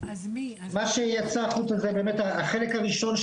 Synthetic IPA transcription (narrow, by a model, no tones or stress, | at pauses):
maʃejat͡saχut͡sazebeːmet̪aaχe̞lekhaʁiʃo̞nʃ